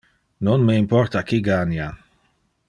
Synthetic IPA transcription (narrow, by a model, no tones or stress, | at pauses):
nonmeimpɔɾt̪akiɡanja